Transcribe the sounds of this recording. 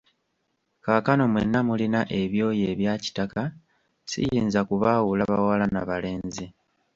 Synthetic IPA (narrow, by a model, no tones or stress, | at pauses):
kakano̞mwḛnːamulinaʔe̞βjo̞ːje̞ːβjaːci̥taka | sḭjiːnzakuβaːwulaβawalanaβale̞ːnzi